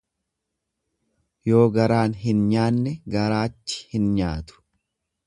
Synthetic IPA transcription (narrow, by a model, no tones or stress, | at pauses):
jo̞ːɡɐɾaːnɦɪnɲaːnːɛɡɐɾaːt͡ʃːɪ̥hɪnɲaːt̪ʊ̥